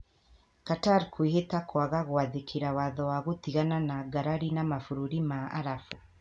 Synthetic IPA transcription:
kataɾkʰwehetakwaɣaɣwaðekʰeɾawaðɔwaɣot̪iɣananaɡaɾaɾinamafuɾuɾimaa̰ɾafu

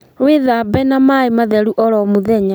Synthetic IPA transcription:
weðabɛnamaemaðɛɾuʔɔɾɔmuðɛɲa

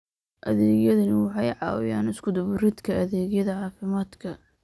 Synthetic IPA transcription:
ʔɐðɛːɣjɐðɐnɪwɑħɑjʕɑːw̰jaːnɪskʰʊd̪ʊβʊrɪd̪kʰɐʔɐðɛːɣjɐðɐʕɑːfɪmaːd̪kʰɐ

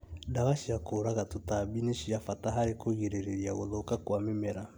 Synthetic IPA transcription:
daβaʃiakoɾaɣatotabineʃiafataɦaɾekoɣiɾeɾeɾiaɣoðokakwamemɛɾa

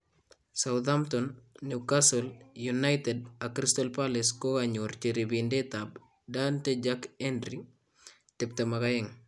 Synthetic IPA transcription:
sawðamtɔnːikasɔljunajtɛdakɾistɔlpalɪskokaɲoɾt͡ʃiɾibindetab̚ | danted͡ʒakɛndɾi | tɪp̚temakajɪŋ

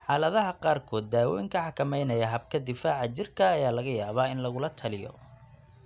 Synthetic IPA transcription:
ħɑːlɐðɐɦɐqɑːrkʰɔːd̪̚ːaːwɔ̰jɪŋkʰɐħɑkʰɐmɛjnɐjɐɦɐb̚kʰɐd̪ɪfaːʕɑt͡ʃɪrkʰɐːjaːlɐɣɐjaːβaːɪnlɐɣʊlɐt̪ʰɐlɪjɔ̰

